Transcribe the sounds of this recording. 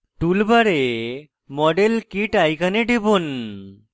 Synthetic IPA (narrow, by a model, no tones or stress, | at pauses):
ʈulbaɾe | mɔɖelkiʈajkʰaneɖibon